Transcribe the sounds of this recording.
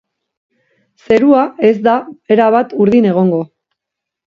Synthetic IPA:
se̞ɾuae̞zd̪ae̞ɾaβat̪uɾðine̞ɣ̞o̞ŋɡo̞

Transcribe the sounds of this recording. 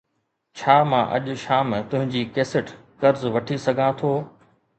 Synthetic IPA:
t͡ɕʰaːmã̰ːʔɐ̰ʄʊ̆ʃaːmt̪ʊ̃ɦɪ̃ɲd͡ʑiːkeːsɪʈ | kɐɾzʋɐʈʰisɐɡʱãt̪ʰoː

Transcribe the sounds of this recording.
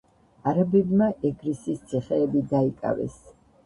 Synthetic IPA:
aɾabɛbmaʔɛɡɾisist̪sʰiχɛːbid̪aikʼa̰vɛ̰s

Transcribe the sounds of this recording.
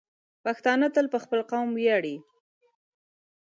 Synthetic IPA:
paxt̪ɑnat̪əlpəxpəlqawmwjaɽi

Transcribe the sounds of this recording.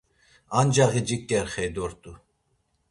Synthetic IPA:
and͡ʒaɣid͡ʒikʼːɛɾχɛjd̪ɔɾt̪ʼu

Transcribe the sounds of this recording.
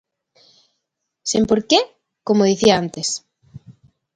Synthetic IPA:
sempoɾke | komoðiθiaant̪es

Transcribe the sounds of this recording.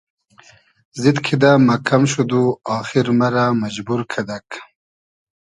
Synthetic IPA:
zid̪kʰid̪amɐkʰɐmʃud̪uɑːxiɾmɐɾamad͡ʑbuɾkʰɐd̪ɐk

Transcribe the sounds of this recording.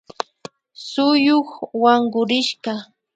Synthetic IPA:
sʊjoχwaŋɢʊɾɪʃɢɑ

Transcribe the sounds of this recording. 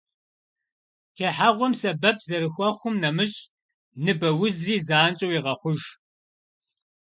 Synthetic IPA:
tʰɐħaʁʷɔmsɐbɐp̚ʰzɐɾɨxʷɔχʷʊmnɐmɨɕʼ | nɨbɐwʊzriːzaːnt͡ʃʼɐwiʁɐχʷʊʒ

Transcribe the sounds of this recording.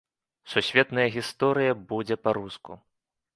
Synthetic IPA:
susʲvʲɛt̪nɐjɐɣʲist̪ɔɾɨjɐbud͡zʲɛpaɾuskṵ

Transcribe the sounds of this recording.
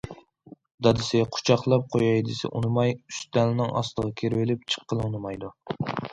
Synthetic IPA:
d̪ɑd̪ɪsɪqʰʊ̥t͡ʃʰɑχlˠɑp̚qʰojɑjd̪ɪsɛ̰ʔṵnɨmɑjyst̪ɛlɪnɪŋʔɑ̰slˠəʁɑkʲʰeɾwɪlɪp̚t͡ʃʰə̥qːəlˠɨunɨmɑjd̪u

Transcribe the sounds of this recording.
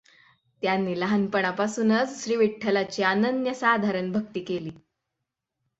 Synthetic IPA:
t̪janːiːləɦanpəɳapasuːnət͡sɕɾiːʋiʈʰːəlat͡ɕiːanənd̪jəsad̪ʱaɾəɳbʱək̚t̪iːkeliː

